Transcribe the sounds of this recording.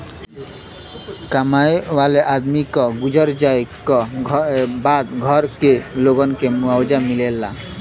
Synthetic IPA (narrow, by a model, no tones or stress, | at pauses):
kamajwaleʔad̪mikɔɡud͡ʒɔɾd͡ʒajkɔ | bad̪ɡʱɔɾkeloɡɔnkemuawd͡ʒamilela